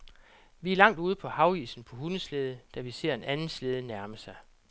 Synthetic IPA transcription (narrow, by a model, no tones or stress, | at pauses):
ʋiæɐlɑ̈ŋ̰d̥uːð̞ˠəpʰɒ̽hɑ̈ʊḭːsn̩pʰɒ̽hunəsleð̞ˠəd̥æʋise̝ɐ̰e̝nʔænn̩sleːð̞ˠnæɐməsɑ̈ɪ